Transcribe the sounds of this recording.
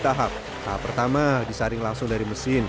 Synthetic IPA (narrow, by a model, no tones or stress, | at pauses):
t̪aɦap̚ | t̪aapːərt̪amadisaɾɪŋlaŋsʊŋdaɾiməsɪn